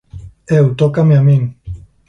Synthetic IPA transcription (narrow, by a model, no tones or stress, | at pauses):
ewt̪okameamiŋ